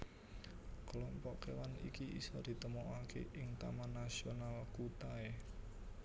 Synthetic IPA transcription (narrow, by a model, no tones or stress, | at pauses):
klɔmpɔʔkewanḭkiḭsɔd̪̥i̤t̪əmoʔakḛʔɪŋt̪a̰manːasionalkut̪ae